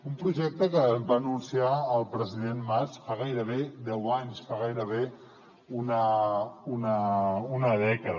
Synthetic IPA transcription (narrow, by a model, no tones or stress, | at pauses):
umpɾuʒɛk̚t̪əkəbanunsiaəlˠpɾəziðenmasfaɣajɾəβed̪ɛwaɲsfaɣajɾəβe | unəunəunəðɛkəð